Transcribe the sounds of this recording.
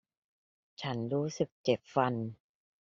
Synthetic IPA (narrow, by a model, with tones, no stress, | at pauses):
t͡ɕʰa˦˥nɾuː˦˥sɯ˨˩k̚t͡ɕe˨˩p̚fa˧n